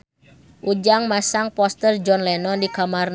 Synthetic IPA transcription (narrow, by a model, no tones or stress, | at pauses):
ʔud͡ʒaŋmasaŋpɔst̪ərd͡ʒɔnlɛnɔndikamarn